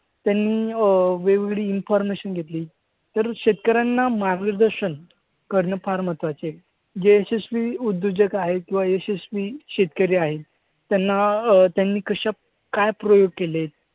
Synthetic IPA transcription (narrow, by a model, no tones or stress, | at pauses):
t̪janːiːʋeʋɡɽiːnfɔɾmeɕənɡʱet̪liː | t̪əɾɕet̪kəɾjanːamaɾɡiɾd̪əɾɕən | kəɾnəfaɾmət̪ʋat͡se | d͡ʑeːsesʋiud̪ːud͡ʑəkaɦekĩw̃ʋaesesʋiɕet̪kəɾiːaɦet̪ː | janːat̪janːiːkəɕa | kajpɾojoɡ̚kelet̪̚